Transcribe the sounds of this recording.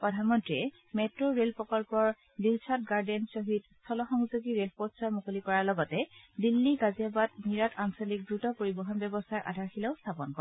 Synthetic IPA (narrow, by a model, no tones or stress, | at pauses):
pɹɔdʱanmɔntɹiɛ | mɛtɹoɹelpɔkɔlpɔɹ | dilt͡ʃʰat̚ɡaɹdɛnsoɦidstʰɔlɔxɔŋzoɡiɹelposɔɹmukolikɔɹaɹlɔɡɔtɛdilːiɡaziabat̚miɹatʰansɔlik̚dɹutɔpoɹibɔɦɔnbjɛbɔstaɹʔa̰dʱaɹxilɛʊstʰapɔnkɔɹɛ